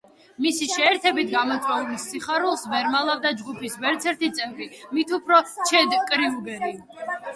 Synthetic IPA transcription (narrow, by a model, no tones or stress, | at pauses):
misiʃɛːɾt̪ʰɛbit̪ʰɡamɔt̪ʼɔulisːiχaɾulˠsbɛɾmalˠavd̪ad͡ʒɡupʰisbɛɾt̪sʰɛɾt̪it̪sʼɛmpʼimit̪ʰupʰɾɔt͡ʃʰɛd̪kʼɾiuɡɛɾi